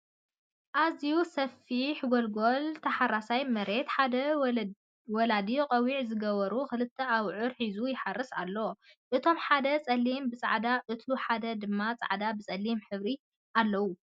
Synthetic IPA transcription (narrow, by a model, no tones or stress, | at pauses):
ʔazijusɐfiħɡolɡo̞lt̪ʰɐħaɾasajmɐɾe̞t̪ħad̪ɐ | wɔlad̪iqʼɐwiʕzɨɡɐβɐɾukɨlɨt̪ʰːɐaβʕʊɾħizujɪħarːɨsa̰lːɐwo | ʔɨt̪ʰo̞mħad̪ɐt͡sʼɐlːimbɨt͡sʼa̰ʕd̪aʔɨt̪luħad̪ɐd̪ɨmːat͡sʼa̰ʕd̪abɨt͡sʼɐlːimħɨβɾi | ʔalːɐwu